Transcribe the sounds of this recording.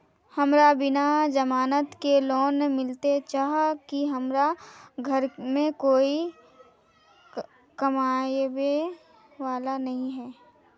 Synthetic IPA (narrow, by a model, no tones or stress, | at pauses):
hɐmɾabɪnad͡ʒɐmaːnət̪kelɔːnemɪlt̪et͡ʃaːɦakiɦɐmɾaɡʱɐɾmẽkoːi | kɐmaːbe | ʋaːlanɐɦĩɦɛː